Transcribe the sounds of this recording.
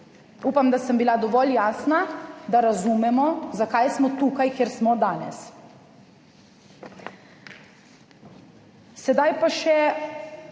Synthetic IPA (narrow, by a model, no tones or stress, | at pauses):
uːpamd̪asəmbilad̪ɔʋɔljaːsnad̪aɾazumɛmɔzakajsmɔt̪uːkajkjɛɾsmɔd̪aːnɛ̰s | sɛd̪ajpaʃɛ